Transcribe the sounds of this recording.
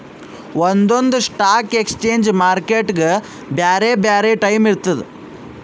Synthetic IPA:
wond̪ond̪uʂʈaːke̞kst͡ʃeːɲd͡ʒmaːɾkeːʈɡe | bjaːɾeːbjaːɾeːʈɐjmiɾt̪ɐd̪e

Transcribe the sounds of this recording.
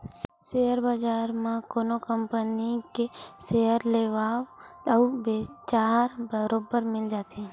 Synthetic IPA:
sejəɾbad͡ʒaːɾmãkoːnokəmpənikeseəɾleʋaːʋəwbet͡ʃaːɾbəɾoːbəɾmɪld͡ʒaːt̪e

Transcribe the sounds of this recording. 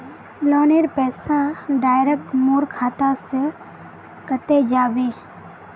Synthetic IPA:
lɔːneɾpɛːsaɖaːɪɾek̚ʈmoːɾkʰaːt̪ase | kət̪ed͡ʒaːbeː

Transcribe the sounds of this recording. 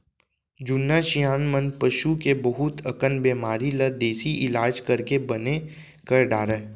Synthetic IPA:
d͡ʒʊnːaʃijaːnmənpɐʃukebɐɦʊt̪ʰɐkənbeːmaːɾiləd̪eːsiʔɪlaːd͡ʒkɐɾkebɐne | kəɾɖaːɾə

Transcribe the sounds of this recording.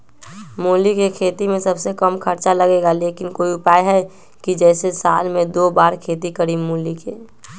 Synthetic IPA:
muːlikekʰeːt̪imẽsɐbsekəmkʰəɾt͡ʃaləɡeɡaleːkɪnkoːiʊpaːjɦɛ | kid͡ʒɛːsesa̰ːlmẽd̪oːbaːɾkʰeːt̪ikəɾimuːlike

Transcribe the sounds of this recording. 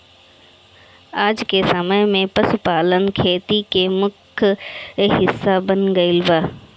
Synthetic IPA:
aːd͡ʒkesɐməmẽpɐsʊpaːlənkʰeːt̪ikemʊkʰ | ɦɪsːabənɡɐɪlbaː

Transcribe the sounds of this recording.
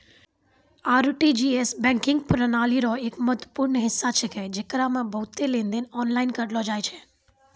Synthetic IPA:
aːɾʈid͡ʒiesbɛ̃ŋkɪ̃ŋɡpɾənaliɾoekməɦt̪ʋəpuɾɳəɦɪsːat͡ʃʰeked͡ʒekɾamãbəɦut̪elẽnd̪enɔnlainkəʈlod͡ʒajt͡ʃʰe

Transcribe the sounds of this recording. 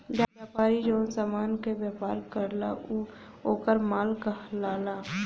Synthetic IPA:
d͡ʒaːbjaːpaːɾid͡ʒoːsaːmaːnkebjaːpaːɾkəɾla̰ʔu | oːkəɾmaːlkaɦlaːlaː

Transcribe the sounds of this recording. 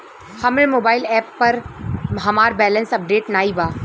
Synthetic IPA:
hɐmẽmoːbaːɪlɛːpːɐɾɦɐmaːɾbɛːlə̃nsɐp̚ɖeːʈnaːibaː

